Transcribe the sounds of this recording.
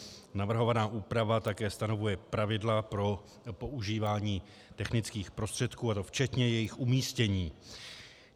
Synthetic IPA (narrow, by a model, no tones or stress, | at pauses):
navr̩ɦo̞vanaːʔuːpɾavat̪akɛːst̪ano̞vujɛpɾavɪdlapɾo̞ | po̞ʔuʒiːvaːɲiː | t̪ɛxnɪt͡skiːxpɾo̞st̪r̝̥ɛt̪kuːat̪o̞ft͡ʃɛt̪ɲɛjɛjɪxʔumiːscɛɲiː